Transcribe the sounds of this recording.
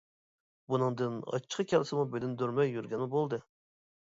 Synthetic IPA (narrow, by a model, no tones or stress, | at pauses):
bunɨŋd̪ɨnɑ̰t͡ʃʰːqʰəkʲʰɛlɪsɨmubed̪ynd̪øɾmɛjːyɾɡʲɛnmubolˠd̪ɨ